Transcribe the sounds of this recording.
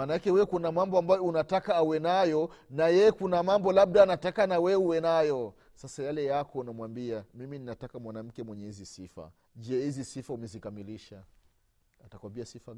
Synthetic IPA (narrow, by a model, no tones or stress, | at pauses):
manaakɛwɛkunamambɔambajɔunatakaːwɛnajɔnajɛjɛkunamambɔlaɓ̚ɗaːnatakanawɛuwɛnajɔ | sasajalɛjakɔnamwambiamimininatakamwanam̩kɛmwɛɲɛhizisifa̰ | d͡ʒɛhizisifaumɛzikamiliʃa | atakwambiasifa